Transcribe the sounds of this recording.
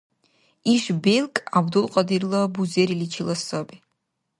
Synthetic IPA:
iʃbelkʼabd̪ulˠqʼɐd̪irlˠɐbuzeɾilit͡ʃʰilˠɐsɐbi

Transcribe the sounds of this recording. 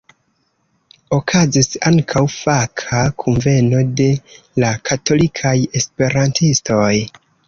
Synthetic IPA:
o̞kʰazisaŋkʰawfakʰakʰunve̞no̞de̞ | lakʰatʰo̞likʰaje̞spe̞ɾantʰisto̞j

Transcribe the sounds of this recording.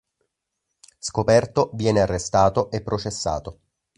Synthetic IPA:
skopɛrt̪ovjɛːnearːest̪aːt̪oʔepːɾot͡ʃesːa̰ːt̪o

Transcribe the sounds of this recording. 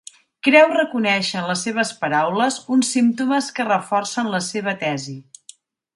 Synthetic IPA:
kɾɛwrəkunɛʃəənləsːeβ̞əspəɾawləzunsːimt̪uməskərəfɔrsənləseβ̞ət̪ɛzi

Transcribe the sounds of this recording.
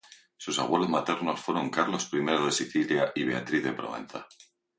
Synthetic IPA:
susa̰we̞lo̞zmat̪e̞ɾno̞sfwe̞ɾo̞ŋkaɾlo̞spɾime̞ɾoð̞e̞siθiljaʔiβ̞e̞at̪ɾiððe̞pɾo̰ḛ̃nθa

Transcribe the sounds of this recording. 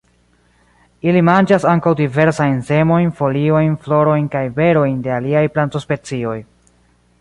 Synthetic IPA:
ilimand͡ʒasaŋkawdive̞ɾsajnse̞mo̞jnfo̞lio̞jnflo̞ɾo̞jnkajve̞ɾo̞jnde̞aliajplanto̞spe̞t͡sio̞j

